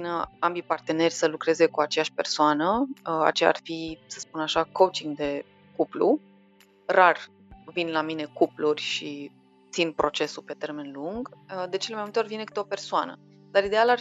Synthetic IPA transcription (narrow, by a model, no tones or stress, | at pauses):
inəambipart̪e̞ne̞rʲsəlukɾe̞ze̞kuat͡ʃe̞jaʃʲpe̞rsoanəa̰t͡ʃea̰rfisə̥spunaʃako̞wt͡ʃiŋɡd̪e̞ | kuplu | rar | vinlamine̞kuplurʲʃi | t̪sinpɾo̞t͡ʃe̞supe̞t̪e̞rme̞nluŋɡd̪e̞t͡ʃelemajmult̪eorʲvinekɨt̪eo̞persoanə̰ | d̪̥aɾid̪e̞alar